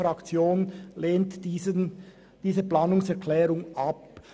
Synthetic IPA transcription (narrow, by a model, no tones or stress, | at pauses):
ɾɑkt͡sjoːnleːntiːzən | d̥iːzəplɑːnʊŋsɛʁkʰlɛːɾʊŋʔɑp